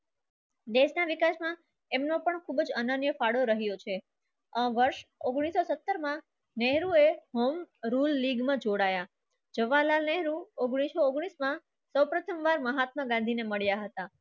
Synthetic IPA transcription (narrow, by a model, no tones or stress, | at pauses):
d̪eʃnaʋikasmã | emnõpəɳkʰubd͡ʒənənjəfaɽoɾəɦjot͡ʃʰe | ə̃ʋəɾʃoɡɽ̃isosət̪ːəɾmã | nɛɦɾueɦomɾulːiɡmãd͡ʒoɽaja | d͡ʒəʋalanɛɦɾuoɡɽ̃isooɡɽ̃ismã | səwpɾət̪ʰəmʋaɾməɦat̪̚məɡãnd̪ʱineməɭjaɦət̪a